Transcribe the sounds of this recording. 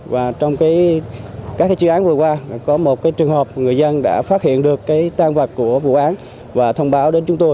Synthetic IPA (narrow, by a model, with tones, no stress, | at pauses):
vaː˨˩t͡ɕɔ˧wŋ͡mkaː˨˦j | ka˦˥k̚ːaː˨˦t͡ɕiː˨˦ʔaː˨˦nvɨ˨˩əkwaː˧kɔ˨˦mo˨˩t̚kaː˨˦jt͡ɕɨ˨˩əŋhəː˨˩p̚ŋɨ˨˩əjzə˧nɗa̰ː˧˥faː˦˥t̚hḭ˧˨ənɗɨ˨˩əkːaː˨˦jt̪aː˧ŋvə˨˩t̚kːu˧˩əvṵ˧˨ʔaː˨˦n | vaː˨˩t̪ʰə˧wŋ͡mɓaː˨˦wɗe˨˦nt͡ɕʊ˨˦ŋ͡mt̪o˧j